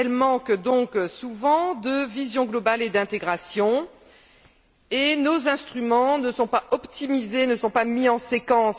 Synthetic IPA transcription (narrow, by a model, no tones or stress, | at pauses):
ɛlmɑ̃kd̪ɔ̃ksuvɑ̃d̪əvizjɔ̃ɡlɔbaled̪ɛ̃t̪eɡʁasjɔ̃ | enozɛ̃st̪χymɑ̃nəsɔ̃paʔɔpt̪imizenəsɔ̃pamiɑ̃sekɑ̃s